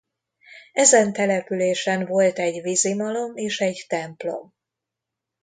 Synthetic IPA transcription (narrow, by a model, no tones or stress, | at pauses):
ɛzɛnt̪ɛlɛpyleːʃɛnvo̞lt̪ɛɟvizimɒlo̞meːʃɛɟt̪ɛmplo̞̰m